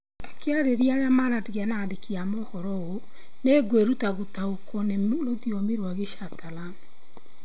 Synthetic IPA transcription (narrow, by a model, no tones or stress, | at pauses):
akeaɾeɾiaɾamaɾadiɣjanadekiamɔhɔɾɔɣo | neɡweɾutaɣotaokʰɔneloðjomiɾwaɣeʃatalan